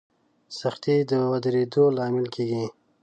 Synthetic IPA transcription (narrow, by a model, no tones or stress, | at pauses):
saxt̪id̪əwad̪ɾed̪olɑmɪlkʰeɡi